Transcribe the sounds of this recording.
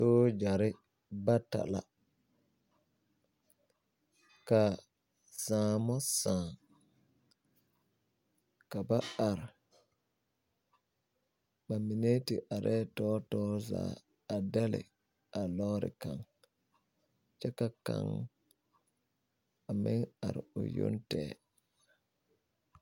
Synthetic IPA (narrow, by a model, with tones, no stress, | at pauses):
so˦d͡ʒa˨ɾi˦ | ba˦ta̰˨la̰ | ka | saː˨mɔ˦sãː˨ | ka˨ba˦a˨ɾ | ɓa˨mi˨neː˦ti˨ʔa˨ɾʔɛ˦tɔː˦tɔː˦za̰ | a˨da˦lɛ̰˨ | ʔa˨lɔː˦ɾi˨ka˨ŋ | t͡ʃɛ˦ka˨ka̰˨ŋ | a˨mi˦ŋa̰˨ɾo˨jo̰˦ntɛ˦